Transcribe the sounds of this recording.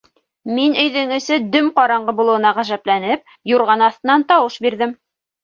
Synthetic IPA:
minɵ̆jðɘŋɵ̆sɘd̪ɵmqɑɾɑɴɢɤbulˠɤ̆wɤ̆nɑʁæʒæplænɘp̚ | juɾʁɑnɑθt̪ɤ̆nːɑnt̪ɑwɤʃbiɾðɘm

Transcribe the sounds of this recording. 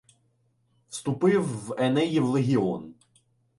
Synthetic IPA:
wst̪ʊpɪwːɛnɛjiwlˠeɦʲiɔn

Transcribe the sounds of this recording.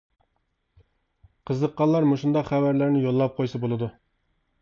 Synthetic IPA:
qʰəzəqːɑlˠːɑɾmoʃund̪ɑqχævæɾlæɾnɪjolˠːɑp̚qʰojsɑbolˠɨd̪u

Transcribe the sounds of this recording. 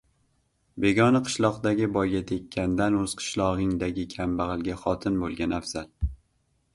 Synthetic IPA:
be̞ɡʲɒnaqʰɨ̥ʃlˠɒqd̪aɡʲɪbɒjɡʲat̪ʰekʲʰːand̪anɵz̥qʰɨ̥ʃlˠɒʁɨŋd̪aɡʲɪkʲʰambaʁɨlˠɡʲaχɒt̪ʰɪnbolˠɡʲanafz̥al

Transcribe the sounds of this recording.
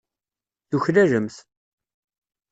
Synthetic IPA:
θuçlæʒəmθ

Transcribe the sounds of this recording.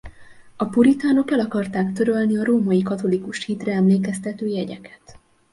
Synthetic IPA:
ɒpuɾit̪aːno̞kɛlɒkɒrt̪aːkt̪ø̞ɾø̞lniɒɾoːmɒjikɒt̪o̞likuʃhiːt̪rɛɛmleːkɛst̪ɛt̪øːjɛɟɛkɛ̥t̪

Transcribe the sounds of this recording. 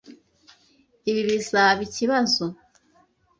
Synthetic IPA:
iβiβisaβiciβazo

